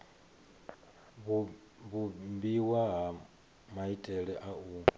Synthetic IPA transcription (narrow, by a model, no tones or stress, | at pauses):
β | βumbiwaɦa | maitʼɛɺɛʔau